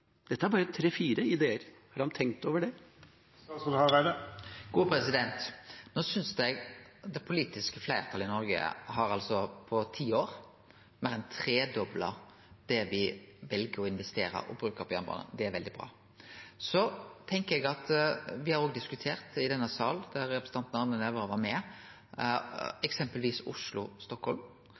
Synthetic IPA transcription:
d̪̥ɛt̪ːəæɾbɑːɾət̪ʰɾeːfiːɾəɪd̪eːəɾhɑɾhɑnt̪ʰɛŋk̚t̪oːʋəɖɛ | ɡ̥uːpʰɾɛsɪd̪ɛnt̪noːsʏnsd̪ɛɡd̪ɛpʰʊliːt̪ɪskəflæɪʁt̪ʰɑlɪnɔɾɡə̰ɦɑɾɑlsɔpʰɔt̪ʰiːoːɾ | mæɾɛnt̪ʰɾeːd̪ɔblə | d̪̥ɛʋɪʋɛlɡəɾɔɪnʋɛst̪eːɾə̰ɾɔ̰bɾʉːkəpʰɔjɑnbɑ̰ːnə̰d̪ɛæɾʋɛld̪ɪbɾɑ̰ː | sɔt̪ʰɛŋkəɾɛɡɑt̪ʋɪhɑɾoːɡd̪ɪskʉt̪ʰeːɾt̪ɪd̪ɛnːəsɑːld̪æɾːɛpɾɛs̩ʰɑnnɑʋnənɛʋəɾəʋɑɾmɛ | ɛksɛmpəlʋiːsʊ̰ʂlʊst̪ɔkhɔlm

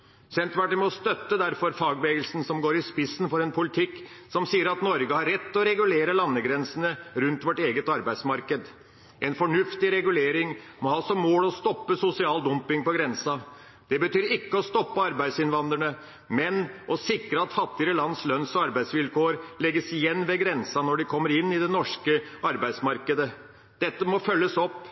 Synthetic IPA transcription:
sɛnt̪ʋæʈəmɔst̪œt̪ːəd̪æɾfɔɾfɑːɡbeːɡəlsn̩sɔmɡoːɾɪspɪsːnfɔɾɛnpʰʊlɪt̪ʰɪkːsɔmsiːəɾɑt̪nɔɾɡəhɑɾːɛt̪ːɔɾɛɡʉleːɾəlɑnːəɡɾɛnsən̩əɾʉnt̪ʋɔʈeːɡət̪ɑɾbæɪd̪smɑɾkəd̪ | ʔɛnfɔɳʉft̪ɪɾɛɡʉleːɾɪŋ | mɔhɑːsɔmːoːlɔst̪ɔpːəsʊsɪɑːld̪ʊmpɪŋpɔɡɾɛnsɑ | d̪̥ɛbət̪yːɾɪkːəɔst̪ɔpːəɑɾbæɪd̪sɪnʋɑnd̪ɾəɳə | mɛnɔsɪkɾəɑt̪fɑt̪ːɪəɾəlɑnːslœnsɔɑɾbæɪsʋɪlkoːɾlɛɡːəsɪjɛnːʋɛɡɾɛnsɑnɔɖɪkʰɔmːəɾɪnːɪd̪ɛnɔʂkəɑɾbæɪsmɑɾkəd̪ə | d̪̥ɛt̪ːəmɔfœlːəsɔpː

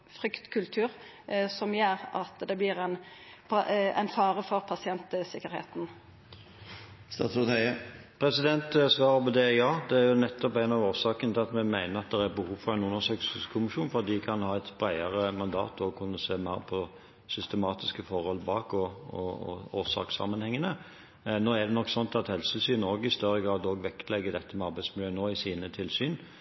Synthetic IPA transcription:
fɾʏkt̪kʰʉlt̪ʰʉːɾ | sɔmjeːɾɑ̰t̪d̪ɛblɪɾɛn | pʰɑɛ̰nfɑːɾəfɔɾpʰɑsɪɛnt̪əsɪkːəɾhḛːt̪n̩ | st̪ɑ̰ːsʊt̪æɪəpʰɾɛsɪd̪ɛnt̪sʋɑːɾəpɔd̪ɛjɑːd̪ɛæɾjʊnɛt̪ːɔpæɪnɑʋoːʁsɑːkənt̪ʰɪɑt̪mɛmæɪnəʁɑt̪̚d̪ɛʁæɾbəhuːʋfɔʁæɪnʉnːəsøːksskʰʊmɪʃuːnfɔɑd̪d̪ɪkʰɑnhɑːɛt̪b̥ɾæɪəʁəmɑnd̪ɑ̰ːt̪ɔkʰʉnːəseːmæɪɾpʰɔ | sʏst̪əmɑːt̪ɪskəfɔɾhɔlbɑːkɔɔ̰ɔ̰oːʁsɑ̰ːksɑ̰mːənhɛŋːənə | noːæd̪ɛnɔkːsɔnt̪ɑt̪hɛlssyːnoːɡɪst̪œɾːəɡʁɑːd̪oːɡʋɛkt̪lɛɡːəd̪ɛt̪ːəmɛɑɾbæɪsmɪljøːənoːɪsiːnət̪ʰɪlsyːn

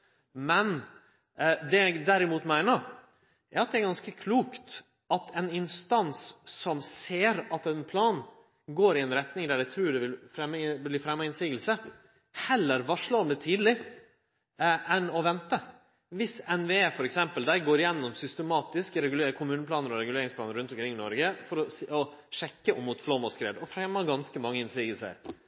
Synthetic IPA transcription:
mɛn | d̪ɛæɡd̪æɾɪmuːt̪mæɪnəɾ | ʔæɾɑt̪̚d̪ɛæɾɡɑnskəkʰluːkt̪ | ɑt̪ʰɛnɪnst̪ɑnsːɔmseːɾɑt̪ɛnpʰlɑːn | ɡoːɾɪɛnɾɛt̪nɪŋd̪æːɖæɪt̪ʰɾʉːɖ̪ɛʋɪlfɾɛmːbliːfɾɛmːɑɪnsiːɡəlsə | hɛlːəɾʋɑʂlɑɔmd̪ɛt̪ʰiːd̪lɪ | ɛnɔʋɛnt̪ə | ʋɪsɛnʋeeːfɔɾɛksɛmpəld̪æɪɡoːɾɪjɛnːɔmsʏst̪əmɑːt̪ɪskəɾɛɡʉlekʰʊmʉːnəpʰlɑːnəɾɔɾɛɡʉleːɾɪŋspʰlɑːnəɾʉnt̪ɔmkʰɾɪŋːɪnɔɾɡəfɔɾɔsɔʂɛkːəʔɔmːuːt̪flɔmɔskɾḛːd̪ɔfɾɛmːɑɡɑnskəmɑŋːəɪnsiːɡəlsə̰ɾ

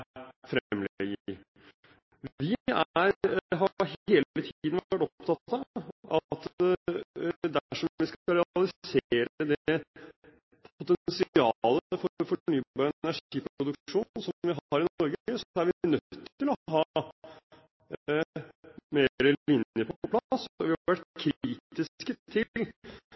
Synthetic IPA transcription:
fɾɛmːlɛɡə | ʋʋɪæɾɦɑɾheːlət̪ʰːd̪n̩ʋæʈɔpt̪ʰɑt̪ːɑʔɑt̪ | d̪æʂɔmʋɪskɑɾɛɑlɪseːɾəd̪ɛ | pʰʊt̪ɛnsɪɑləfɔfɔɳyːbɑːɾəɛnæʂiːpɾʊd̪ʉkʂuːnsɔmʋɪɦɑɾɪnɔɾɡəəsæɾʋɪnœt̪ːɪlɔɦɑː | meːɾəlɪnjəpʰɔɔpʰlɑsɔʋɪhɑʋæʈkʰɾiːt̪ɪskət̪ʰɪl

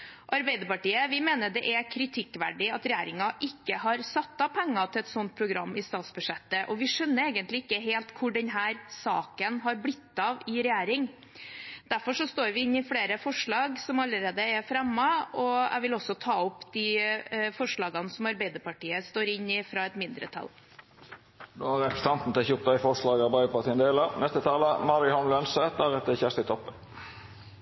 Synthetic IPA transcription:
ʔɑɾbeɪd̪əpɑʈiːəʋɪmeːnəɖɛʔɛkʰɾɪt̪ʰɪkːʋæ̰ɖɪɑt̪ɾɛjæːɾɪŋɑʔɪkːəɦɑɾsɑt̪ːɑpʰɛŋːɑt̪ʰɪɛt̪sɔnt̪̚pʰɾʊɡɾɑmːɪst̪ɑːt̪sbʉʂɛt̪ːəʔɔʋɪʂœnːəɾeːɡənt̪lɪɪkːəɦeːlt̪kʰʊɖɛnɦæːɾsɑ̰ːkənɦɑɾblɪt̪ːɑʋɪɾɛjæːɾɪŋ | d̪̥æɾfɔʂɔst̪oːɾʋɪɪnːɪfleːɾəfɔʂɭɑːɡsɔmɑlːəɾeːd̪əɛfɾɛmːɑɔæ̰ɪʋɪlɔsːɔt̪ʰɑːɔpːd̪ɪfɔʂɭɑːɡɑnsɔmɑɾbæɪd̪əpɑʈiːəst̪oːɾɪɲːɪfɾɑɛt̪mɪnd̪ɾə̰t̪ʰɑ̰l | d̪oːɑɾɛpɾəsə̥t̪ɑnt̪n̩t̪ɛçʊʁt̪ɑɪfɔʂɭɑːɡɑbɑʏəpɑt̪ʰiːənd̪eːlənɛst̪ət̪ʰɑːləmɑɾɪhɔnlœnsəd̪ɑʁɛt̪ːəçæʂt̪ɪt̪ʰɔpːən

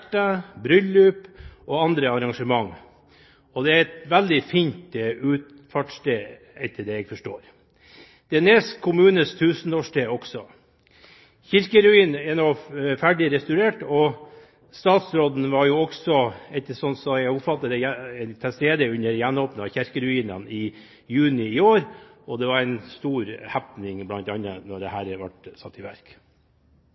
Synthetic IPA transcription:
ʈːɑbɾʏlʉːpʔɔɑnd̪ɾəɑɾɑŋʂəmɑŋː | ɔd̪ɛæɾɛt̪ʋæld̪ɪfiːnt̪ʉːt̪ | fɑʈst̪eː | ɛt̪ʰːəɖɛɛɡfɔʂʈoːɾ | d̪̥ɛæneːskkʰːʊmʉːnəst̪ʰʉːsənoːʂʈeːɔɡsɔ | çɪɾkəɾʉiːnɛnofæɖɪɾɛst̪ʉɾeːʈɔ | st̪ɑːt̪sɾoːd̪n̩ʋɑɾjʊːɔksɔɛt̪ːəsɔnsɔjæɡʊpfɑt̪ːəd̪ɛj̪t̪ʰɪlst̪eːd̪əʉnːəɾjænːoːpnəɑçæɾkəɾʉiːnənɪ | jʉːnɪɪoːɾɔd̪ɛʋɑɾæɪnst̪uːɾhæpnɪŋblɑnt̪ɑnːə̰nɔɖɛhæːɾʋɑ̰ʈsɑt̪ʰːɪʋæ̰ɾk

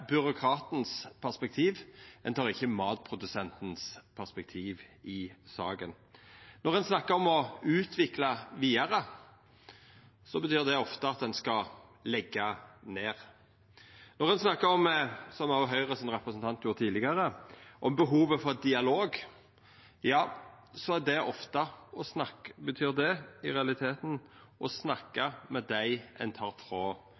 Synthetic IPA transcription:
bʏɾʊkʰɾɑːt̪n̩spʰæʁspɛk̚t̪ʰiːʋɛnt̪ʰɑːʁɪçːəmɑːt̪̚pʰɾʊd̪ʉsɛnt̪n̩spʰæʁspɛk̚t̪ʰiːʋʔɪsɑ̰ːɡə̰n | nɔʁɛnsnɑkːəɔmɔʉːt̪ʰʋɪklɑʋiːəɾə | sɔbət̪yːʁd̪ɛɔft̪əɑt̪̚d̪ɛnskɑlɛɡːɑneːʁ | nɔʁɛnsnɑkːəɾɔmsɔmɑɦœʏʁəsɪnʁɛpɾəsnt̪ʰɑnt̪ʰjuːɾt̪ʰiːlɪɡəɾəʔɔmbəɦuːʋəfɔɾd̪ɪɑloːɡ | jɑː | sɔæd̪ɛʔɔft̪əɔsnɑbət̪ʰyːʁd̪ɛɪʁɛɑlɪt̪ʰeːt̪n̩ | ʔɔsnɑkːəmɛd̪æɪɛ̰nt̪ʰɑːɾfɾoː

